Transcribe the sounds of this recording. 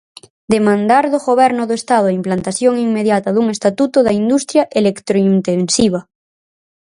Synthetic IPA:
d̪emãnd̪aɾðoɣoβɛɾnoðoest̪að̞oaimplant̪aθjoŋiŋmeðjat̪aðuŋest̪at̪ut̪oðaind̪ust̪ɾjaʔelekt̪ɾoint̪ensiβ̞a

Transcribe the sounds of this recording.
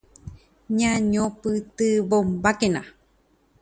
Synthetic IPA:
ɲãɲõpɨt̪ɨβombakena̰

